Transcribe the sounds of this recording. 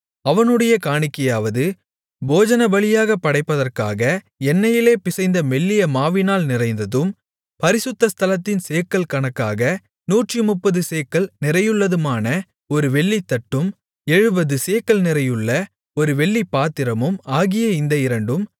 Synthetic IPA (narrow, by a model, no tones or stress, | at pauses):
ɐʋɐnɯɽɐjɐkaːɳɪkːɐjaːʋɐðɯ | boːd͡ʒɐnɐbɐɭɪjaːɣɐpːɐɽɐɪpːɐðɐrka̰ːɣɐ | ɛnːɐjɪleːpɪsɐɪnd̪ɐmɛɭːɪjɐmaːʋɪnaːlnɪrɐɪnd̪ɐðɯm | pɐɾɪsɯt̪ːɐst̪ʰɐlɐt̪ːɪnseːkːɐlkɐɳɐkːaːɣɐ | nuːʈrimʊpːɐðɯseːkːɐɭnɪrɐjɯɭːɐðɯmaːnɐ | ɔɾɯʋɛɭːit̪ːɐʈːɯm | ɛɻɯbɐðɯseːkːɐlnɪrɐjɯɭːɐ | ɔɾɯʋɛɭːipːaːt̪ːɪɾɐmɯmaːɣɪjɐɪnd̪ɐɪɾɐɳɖɯm